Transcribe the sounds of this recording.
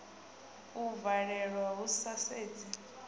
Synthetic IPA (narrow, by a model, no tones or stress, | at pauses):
uvaɺɛɺwaɦusaseːd͡zi